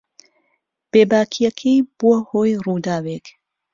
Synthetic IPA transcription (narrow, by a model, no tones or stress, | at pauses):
b̥eːbaːkʰijɐkʰiːb̥uɐhoːjruːd̪aːwek